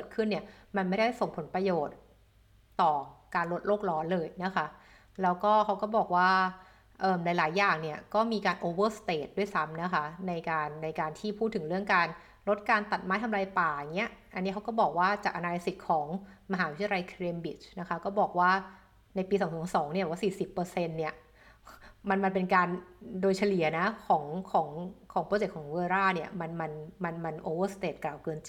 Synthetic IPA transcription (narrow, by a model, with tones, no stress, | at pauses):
kɤː˨˩t̪̚kʰɯ˥˩nːi˥˩ɐma˧nma˥˩jda˥˩jso˨˩ŋpʰo˩˦npɾa˧joː˨˩t̪̚ː | ɔː˨˩kaː˧nɾo˦˥t̪̚loː˥˩k̚lɔː˦˥nlɤː˧jna˦˥kʰa˦˥ | lɛː˦˥wkɔː˥˩kʰa˦˥wkɔː˥˩bɔː˨˩k̚waː˥˩ | ʔɤː˨˩mlaː˨˩˦jlaː˩˦jːaː˨˩ŋni˥˩ɐkɔː˥˩miː˧kaː˧nʔoː˧wɤː˥˩st̪eː˨˩t̪̚du˥˩əjsa˦˥mna˦˥kʰa˦˥na˧jkaː˧nːa˧jkaː˧nt̪ʰiː˥˩pʰuː˥˩t̪ʰːɯ˩˦ŋɾɯ˥˩əŋkaː˧n | ɾo˦˥t̪̚kaː˧nt̪a˨˩t̪̚ma˦˥jt̪ʰa˧mlaː˧jpaː˨˩a˨˩ŋːi˦˥ɐʔa˧nːi˦˥kʰwkɔː˥˩bɔː˨˩k̚waː˥˩t͡ɕaː˨˩k̚ʔa˧naː˧la˦˥si˨˩k̚kʰːɔː˩˦ŋma˧ɦaː˩˦w̪ʰjla˧jkʰɾeː˧mbi˨˩t͡ɕna˦˥kʰa˦˥kɔː˥˩bɔː˨˩k̚waː˥˩ | na˧jpiː˧sɔː˨˩˦ŋsɔː˩˥sɔː˩˦ŋni˥˩bɛː˨˩wa˥˩siː˨˩si˨˩pːɤː˧se˧nːi˥˩ɐ | ma˧nma˧npe˧nkaː˧ndoː˧jt͡ɕʰa˧li˨˩˦ɐna˦˥kʰɔː˩˦ŋkʰɔː˩˦ŋkʰɔː˩˦ŋpɾt͡ɕe˨˩k̚kʰɔː˩˦ŋwɤː˧ɾaː˥˩ni˥˩ɐma˧nma˧nma˧nma˧nʔoː˧wɤː˥˩st̪eː˨˩t̪̚klaː˨˩wkɤː˧nt͡ɕi˨˩